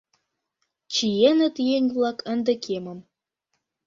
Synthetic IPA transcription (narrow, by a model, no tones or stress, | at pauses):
t͡ɕijenə̆t̪jenʲvlˠɑkə̆nd̪ə̆kʰʲemə̆m